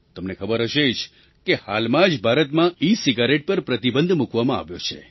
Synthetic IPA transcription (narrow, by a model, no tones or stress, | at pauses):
t̪əmnekʰəbəɾɦəʃed͡ʒ | kehalmãd͡ʒbʱaɾət̪mãisiɡaɾeʈ̚pəɾpɾət̪ibə̃nd̪ʱmukʋamãa̰ʋjot͡ʃʰe